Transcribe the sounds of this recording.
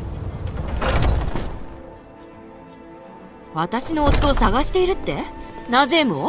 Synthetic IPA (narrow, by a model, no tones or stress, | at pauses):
βat̪aɕino̞ːt̪ːo̞ːsaɡaɕi̥t̪e̞iɾɯ̟t̪ːe̞naze̞mo